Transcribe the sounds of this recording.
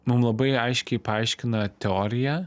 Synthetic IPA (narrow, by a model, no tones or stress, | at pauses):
mʊmlˠɐbɐɪɐɪʃʲkʲɛɪpɐɐɪʃʲkʲɪnɐt̪ʲɛoːɾʲɪjɛ